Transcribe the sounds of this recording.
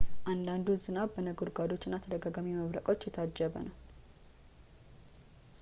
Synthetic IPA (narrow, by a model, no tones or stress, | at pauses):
ʔand̪and̪uzɨnaβbənəɡoɾɡad̪o̞t͡ʃːɪnːat̪ʰəd̪əɡaɡamiməβɾəkʼo̞t͡ʃːjɛt̪ʰad͡ʒːəβə̰nəw